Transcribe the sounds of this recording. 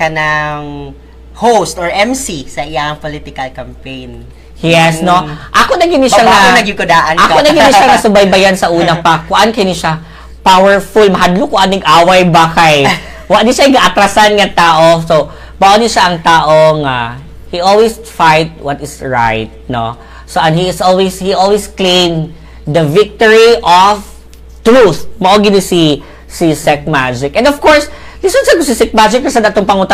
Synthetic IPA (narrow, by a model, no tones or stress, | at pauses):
kɐnaŋ | howst̪ɔɹʔɛmsisɐʔɪaŋpolit̪ɪkɐlkɐmpejn | jɛsnoʔakonɐɡɪnɪʃaŋaonɐɡɪŋkʊd̪aːʔɐnʔakonɐɡɪnɪʃaŋɐsʊbɐjbɐjansɐʔuːnɐpɐkʊʔankɐnɪʃa | pawɛɹfulmɐhad̪lokʊʔanːɐɡʔaːwajbakaj | waɡd̪ɪʃaɪɡɐʔɐt̪ɾasanŋɐt̪aːʔoso | bɐʔonɪʃaʔɐŋt̪aːʔoŋa | hiʔolwisfajt̪̚wɐt̪ɪsɹa̰jt̪̚no | soʔɐ̃nhiɪsʔolwishiʔolwisklẽjm | d̪ɐvɪk̚t̪oɹiʔɔv | t̪ɾuθmɐʔoɡinɪsi | sisɛk̚mad͡ʒɪk̚ʔɛ̃nd̪ɔv̥koɹslisonsɐkosɪsɛk̚mad͡ʒɪk̚ːɐsɐd̪ɐʔt̪oŋpɐŋut̪a